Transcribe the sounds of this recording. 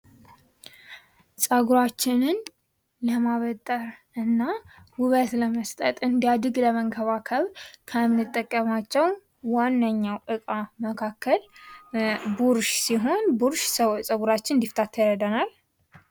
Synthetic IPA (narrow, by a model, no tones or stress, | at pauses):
sʼəɡuɾat͡ʃːɪnɨn | ləmaβət̪ʼːəɾ | ɨnːahʊβət̪ləməst̪ʼət̪ʼɨnd̪ijad̪ɨɡləməŋkʰəβakʰəβɾkʰəmnɨt̪ʼːəkʼːəmat͡ʃːɛw | wanːəɲːawʔɨkʼaməkʰakːəl | buɾʃsiɦo̞nbuɾʃsəsʼəɡuɾat͡ʃːɪnnd̪ift̪ʰat̪ʰːjɾəd̪ənal